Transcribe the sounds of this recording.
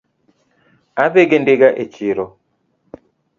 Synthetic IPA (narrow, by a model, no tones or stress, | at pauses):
aβɛɡɛndeɡaʔet͡ʃiɾɔ